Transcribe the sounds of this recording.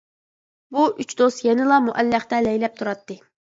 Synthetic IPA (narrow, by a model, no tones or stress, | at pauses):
buʔyt͡ʃd̪osjɛnɪlˠɑmuʔɛlːχt̪ɛlɛjlɛp̚t̪ʰuɾɑt̪ːɨ